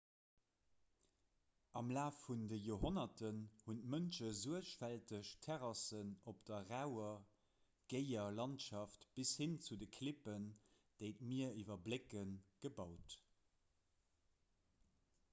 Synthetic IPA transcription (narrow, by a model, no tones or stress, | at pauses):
ɑmlaːfundəjoːɦonɐtənhuntmənʃəzuəʃfæltəʃtʰɛʁɑsənopd̥ɐʁaʊɐ | ɡ̥eɪɐlɑntʃɑftb̥ishint͡sudəkʰlipən | d̥eɪtmiɐivɐblekənɡ̥əbɑʊt